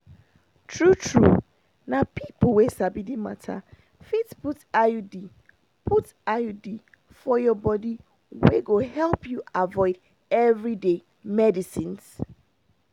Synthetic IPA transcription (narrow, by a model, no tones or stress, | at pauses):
tʰɹutʰɹu | nãpʰipl̩wesabidimã̰tʰa̰ | fitputajudi | pʰut | ajodi | fɔjɔbɔdi | weɡohɛlpʰjuavɔɪd | ɛvɹide | mɛdisĩns